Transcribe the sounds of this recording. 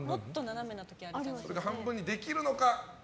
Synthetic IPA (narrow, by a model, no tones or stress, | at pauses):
mot̪ːonaname̞nat̪okʲiaɾɾisoɾe̞ɡaɦãmbɯ̃ɲ̟ːid̪e̞kʲiɾɯ̟no̞ka